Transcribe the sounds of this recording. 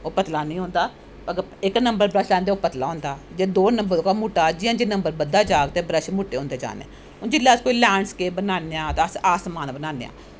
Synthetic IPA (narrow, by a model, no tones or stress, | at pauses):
oːpət̪laːnĩːɦõːnd̪aː | əɡəɪknəmbəɾbɾəʃlãːnd̪eːoːpət̪laːõːnd̪aːd͡ʒeːd̪oːnəmbəɾoːkaːmuːʈːaːd͡ʒɪjãːd͡ʒeːnəmbəɾbəd̪ːaːd͡ʒaːkt̪eːbɾəʃmuːʈːeːõːnd̪eːd͡ʒa̰ːnḛ̃ː | ʊd͡ʒɪlːaːskoːiːlɛːɳskeːbənaːneːãːt̪eəsaːsmaːnbənaːnḛːa̰ː